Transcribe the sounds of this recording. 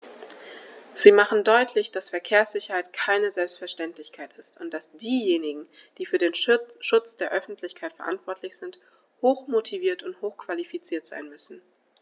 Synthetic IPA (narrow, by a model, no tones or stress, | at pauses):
z̥iːmaχn̩dɔʏtʰlɪçd̥asfɛɐkʰeːɐsz̥ɪçɐhaɪtkʰaɪnəzɛlpstfɛɐʃtɛntlɪçkʰaɪtɪstʊntd̥asd̥iːjeːnɪɡŋ̩ | d̥iːfyːɐdeːnʃʊt͡sd̥eːɐʔœfn̩tʰlɪçkʰaɪtfɛɐʔa̰ntv̥ɔɐtʰlɪçz̥ɪnt | hoːxmotʰiviːɐtʊnthoːxkv̥alifit͡siːɐtz̥a̰ɪnmʏsn̩